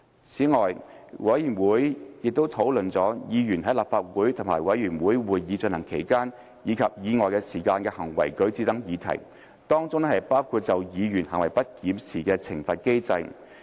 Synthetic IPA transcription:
t͡sʰiː˨˥ŋɔː˨˩j | wɐ˨˥jyː˨˩nwuː˨˥jjɪ˨k̚t̪o˥wt̪ʰo˨˥wlɵ˨nt͡sɔː˨˥jiː˨˧jyː˨˩nhɦɐ˨˥jlaː˨p̚faː˧t̚wuː˨˥jt̪ʰʊ˨˩ŋmaː˨˩jwɐ˨˥jjyː˨˩nwuː˨˥jwuː˨jːiː˨˧t͡snhɐ˨˩ŋkʰe˨˩jkaː˥n | jiː˨˧kʰɐ˨p̚jiː˨˧ŋɔː˨jkɛː˧siː˨˩kaː˧nkɛː˧hɐ˨˩ŋwɐ̰˨˩jkɵ˨˥ɥt͡siː˧˥t̪ɐ˨˥ŋjiː˨˧t̪ʰɐ̰˨˩j | t̪ɔː˥ŋt͡sʊ˥ŋhɐ˨jpaː˥wkʰu˧t̚t͡sɐ˨wjiː˨˧jyː˨˩nhɐ̰˨˩ŋwɐ˨˩jpɐ˥t̚kiː˨˥msiː˨˩kɛː˧t͡sʰɪ̰˨˩ŋfɐ˨t̚ke˥jt͡sɐ˧j

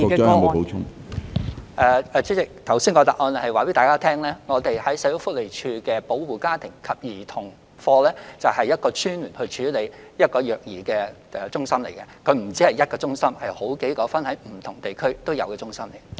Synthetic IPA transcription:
po˨˧˥t͡ʃʰʊ˥ŋ | ʔɛː˨˧ɛ˨˧t͡syː˨˥t͡sɪ˨k̚t̪ʰɐ˨˩wsiː˥nkɔː˧t̪a˨k̚ʔɔː˧n˨hɐ˨jwaː˨˩pe˨˥t̪aː˨˩kaː˥t̪ʰɛː˥ŋlɛː˥ŋɔː˨˧t̪e˨jhɐ˨˥jsɐ˨˥jo˨˥wfʊ˥k̚le˨jt͡ʃʰyː˧kɛː˧po˨˥wwuː˨˩kaː˥t̪ʰɪ˨˩ŋkʰɐ˨p̚jiː˨˩t̪ʰʊ˨˩ŋ | fɔː˧lɛː˥t͡sɐ˨whɐ˨jːɐ˥t̚kɔː˧t͡ʃʰyː˥nlyː˨˩nhɵ˧ɥt͡ʃʰyː˨˧˥le˨˧jjɐ˥t̚kɔː˧jœː˨˩k̚jiː˨˩kɛː˧ɛ˧t͡sʊ˥ŋsɐ˥mle˨˩jkɛ˧kʰɵ˨˧ɥm̩˨˩t͡siː˥hɐ˨jɐ˥t̚kɔː˧t͡sʊ˥ŋsɐ˥mhɐ˨jho˨˥wke˨˥jkɔː˨˧˥fɐ˥nhɐ˨˥jm̩˨˩t̪ʰʊ˨˩ŋt̪e˨jkʰɵ˥ɥt̪o˥wjɐ̰˨˧wkɛː˧t͡sʊ˥ŋsɐ˥mle˨˩

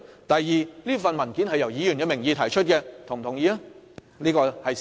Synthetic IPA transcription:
t̪ɐ˨jjiː˨liː˥fɐ˨nmɐ˨˩nki˨˥nhɐ˨jːɐ˨˩wjiː˨˧jy˨˩nkɛ˧mɪ˨˩ŋjiː˨˧t̪ʰɐ˨˩jt͡ʃʰɵ˥t̚kɛ˧t̪ʰʊ˨˩ŋt̪ʰʊ˨˩ŋjiː˧a˦˥ | liː˥kɔː˧hɐ˨j

